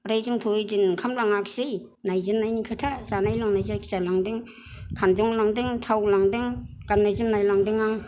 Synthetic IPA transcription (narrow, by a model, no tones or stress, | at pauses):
ɾajzɯŋtʰojdɯnkʰamlaŋaksij | najzɯnːajnikʰatʰazanajlaŋnajzajkʰsalaŋdɯŋ | kʰanzɔŋlaŋdɯŋtʰawlaŋdɯŋ | ɡ̥anːajzɯmnajlaŋdɯŋaŋ